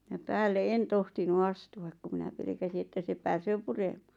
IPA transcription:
jɑ pæːlːe en tohtinu ɑstuɑk ku minæ pelĕkæsi etːæ se pæːsøː puremɑ̥ː

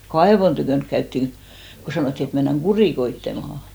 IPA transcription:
kɑeʋon tykøˑnk kæytːiŋ ko sɑnoˑtːi et menːæŋ ɡ̊uriˑkoitːemɑhɑˑ

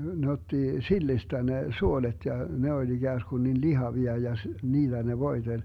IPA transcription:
ne otːi silːistæ ne suolet jɑ ne olʲ iɡ̊æːsɡ̊un nin lihɑʋiɑ jɑ s niːlːæ ne ʋoi̯telʲ

